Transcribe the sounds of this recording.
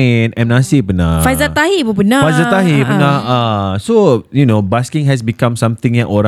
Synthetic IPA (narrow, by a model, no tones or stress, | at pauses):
nɛ̃mnasipənafajzət̪ahibəpənafajzət̪aɦipənahasojunobaskɪ̃ŋɦɛs̬bikãmsãmt̪ɪ̃ŋjɛʔoɾã